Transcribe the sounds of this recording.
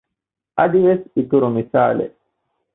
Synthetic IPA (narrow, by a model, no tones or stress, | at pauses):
ʔɐd̪iʋesit̪uɾumisaːlḛ